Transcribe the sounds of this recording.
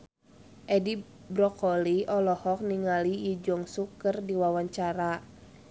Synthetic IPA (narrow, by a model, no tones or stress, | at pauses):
ʔɛdi | bɾɔkɔliɔlɔhɔk̚niŋalijid͡ʒɔŋsukərdiwawaɲt͡ʃaɾa